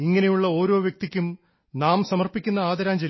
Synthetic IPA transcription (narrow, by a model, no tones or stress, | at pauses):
iŋːɐnejuɭːɐo̞ːɾo̞ːʋjɐk̚t̪ikʲːum | naːmsɐmɐrpikʲːunːɐaːd̪ɐɾaːmt͡ɕe